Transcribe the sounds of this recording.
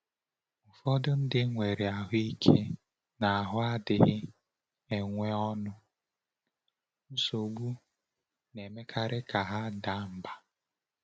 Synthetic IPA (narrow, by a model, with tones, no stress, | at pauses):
ʊ˨fɔ˦dʊ˦n̩˦dɪ˦ŋʷe˨ɾe˨a˨ɦʊ˦i˦kʰe˦ | na˨a˨ɦʊ˦a˦dɪ˨ɦɪ˦ | e˨ŋʷe˦ɔ˦nʊ˦ | n̩˦so˨ɡ͡bu˦ | ne˨me˦kʰa˨ɾɪ˦ka˨ɦa˦da˦˨m̩˨ba˨